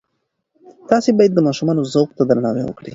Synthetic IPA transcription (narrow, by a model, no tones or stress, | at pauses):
t̪ɑsebɑjad̪ːəmɑʃumɑnozoqt̪ad̪ɾanɑwḛwə̰kɽi